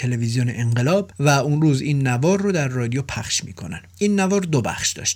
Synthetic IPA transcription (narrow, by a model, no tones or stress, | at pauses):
e̞levizijonḛʔeɴɢelɒːbvæunɾuːziːnːævɒːɾːod̪æɾːɒːd̪ijopʰæχʃmḭːkʰo̞næ̰nʔiːnːævɒːɾd̪obæ̰χʃd̪ɒ̰ːʃt̪